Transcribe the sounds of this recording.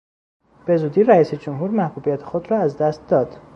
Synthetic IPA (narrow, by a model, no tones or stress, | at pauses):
b̥e̞zuːd̪iːɾæiːsed͡ʒomɦuːɾmæhbuːbijæt̪ʰexod̪rɒːæzd̪æst̪̚d̪ɒːd̪̥